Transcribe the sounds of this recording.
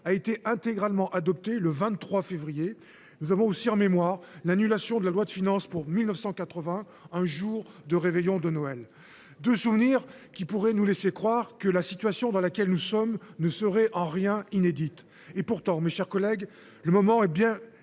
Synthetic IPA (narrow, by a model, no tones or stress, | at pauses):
aet̪eʔɛ̃t̪eɡʁalmɑ̃ʔad̪ɔp̚t̪eləvɛ̃t̪t̪ːχwafevʁije | nuzavɔ̃osiɑ̃memwaʁlanylasjɔ̃d̪əlalwad̪əfinɑ̃spuʁmilnəfsɑ̃kat̪χəvɛ̃ | ɛ̃ʒuʁ | d̪əʁevɛjɔ̃d̪ənɔɛl | d̪øsuvniʁ | kʲipuʁɛnulesekχwaʁkəlasit̪ɥasjɔ̃d̪ɑ̃lakʲɛlnusɔmnəsəʁɛʔɑ̃ʁjɛ̃ined̪it̪ | epuʁt̪ɑ̃meʃɛʁkɔlɛɡ | ləmɔmɑ̃ɛbjɛ̃